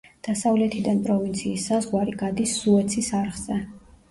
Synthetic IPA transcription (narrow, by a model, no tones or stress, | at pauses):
d̪̥asavlɛt̪ʰid̪anpʼɾɔvint̪sʰiːsːazʁwaɾiɡad̪isːuɛt̪sʰisaɾχz̥ɛ